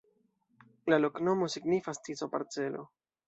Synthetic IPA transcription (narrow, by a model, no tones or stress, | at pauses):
lalo̞kno̞mo̞siɡnifastisopa̰ɾt͡se̞lo̞̰